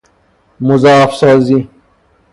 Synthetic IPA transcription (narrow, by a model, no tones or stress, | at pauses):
mʊzaːfsɔːzi